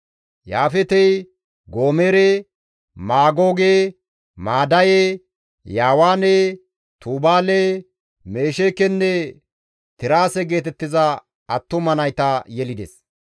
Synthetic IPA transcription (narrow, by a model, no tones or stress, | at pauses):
jaːfɛt̪ɛj | ɡoːmeːɾe | maːɡo̞ːɡe | maːd̪ɐje | jaːwaːne | t̪uːbaːle | me̞ːʃekɛnːɛ | t̪ɪɾaːsɛɡe̞ːt̪ɛt̪ːɪzɐ | ɐt̪ːʊmɐnɐjt̪ɐjɛlɪd̪ɛs